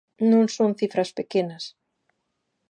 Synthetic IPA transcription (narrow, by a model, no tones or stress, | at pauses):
nõŋsõŋθifɾɐspekenɐs